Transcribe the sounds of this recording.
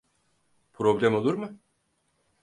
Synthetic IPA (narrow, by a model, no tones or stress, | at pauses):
pʰɾo̞blʲæmo̞lˠuɾmɯ